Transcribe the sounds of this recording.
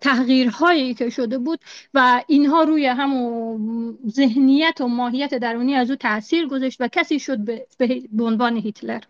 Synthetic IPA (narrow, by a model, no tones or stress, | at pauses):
t̪ʰæhɣiːɾhɒːjiiːkʰeʃod̪ebuːd̪̥væinɦɒːɾuːjeɦæmo | ze̞ɦnijæt̪ʰomɒːɦijːæt̪ʰed̪æɾuːniːæzuːt̪ʰæʔsiːɾɡo̞zeʃt̪vækʰæsiːʃod̪̚bebeɦbeonvɒːneɦit̪ʰleɾ